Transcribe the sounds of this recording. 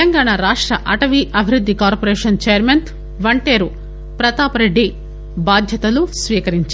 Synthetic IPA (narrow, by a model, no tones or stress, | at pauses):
ɐŋɡaːɳaɾaːʂʈɾɐʔɐʈɐʋiʔɐbʱiɾud̪ːikaːɾpoɾeːʂɐnt͡ʃejɐɾment̪ | ʋɐɳʈeːɾu | pɾɐt̪aːpɐɾɐɖi | baːd̪ʱjɐt̪ɐlusʋiːkɐɾiɲt͡ʃː